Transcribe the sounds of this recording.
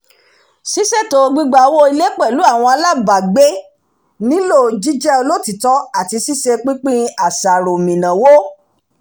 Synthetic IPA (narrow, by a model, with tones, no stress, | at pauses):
si˦se˦˨to˨˧ɡ͡bi˦˧ɡ͡ba˨˦wo˦i˧le˦k͡pɛ˦˨lu˨˦a˦˨w̃ɔ̃˧a˧la˦˨ba˨ɡ͡be˦ | nĩ˦lo˦˨d͡ʒi˦d͡ʒɛ˦o˧lo˦˨ti˨tɔ˨˦a˦˨ti˧si˦se˧k͡pi˦k͡pĩ˦a˨sa˨ɾo˨mĩ˨nã˨wo˦